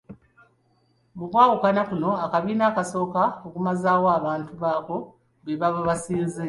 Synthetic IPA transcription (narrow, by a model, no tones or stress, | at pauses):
βukwaːɣukanakuno̞akaβiːnaːkaso̞ːkaokumazaːwoaβaːntuβaːko̞ | βeβaβoβasiːnze